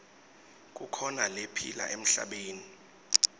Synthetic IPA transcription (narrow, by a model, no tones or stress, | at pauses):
k̬ʼukʰɔnalepʰḭla̰ʔem̩ɬa̰ɓeːni